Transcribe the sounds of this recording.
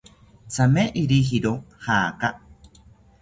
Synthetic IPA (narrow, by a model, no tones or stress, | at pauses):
t͡sameʔiɾiɦiɾohaka